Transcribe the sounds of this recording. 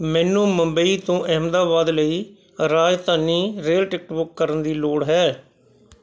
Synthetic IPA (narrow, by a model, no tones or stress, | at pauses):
mɛːnũːməmbəiːt̪õːʔɛɦmd̪aːbaːd̪ləiː | ɾaːd͡ʒt̪aːniːɾeːlʈɪk̚ʈbʊkːəɾənd̪iːloːɽɦɛː